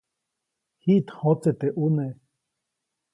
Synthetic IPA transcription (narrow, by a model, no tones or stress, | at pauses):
hit̪hot͡set̪eʔune